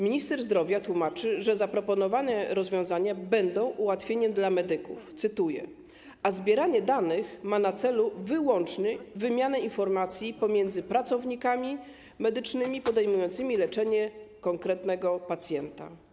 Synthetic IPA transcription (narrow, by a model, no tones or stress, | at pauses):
mʲiɲist̪ɛɾzd̪ɾɔvʲjat̪wumat͡ʂɘʐɛzapɾɔpɔnɔvanɛɾɔzvʲjɔ̃w̃zaɲabɛnd̪ɔ̃w̃ʔuwat̪fʲjeɲɛd̪lamɛd̪ɘkṵft̪sɘt̪ujɛ̰ | azbʲjɛɾaɲɛd̪anɘxmanat̪sɛluvɘwɔnt͡ʂɲɘvɘmʲjanɛinfɔɾmat̪sʲjipɔmʲjɛnd̪zɘpɾat̪sɔvɲikamʲi | mɛd̪ɘt͡ʂnɘmʲipɔd̪ɛjmujɔnt̪sɘmʲilɛt͡ʂɛɲɛkɔŋkɾɛt̪nɛɡɔpat̪sʲjɛnt̪a̰